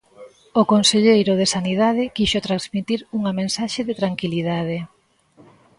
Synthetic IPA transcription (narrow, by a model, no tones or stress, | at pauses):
okonseʎejɾʊðesaniðaðɪkiʃʊt̪ɾazmit̪iɾuŋɐmẽnsaʃeðɪt̪ɾaŋkiliðað̞e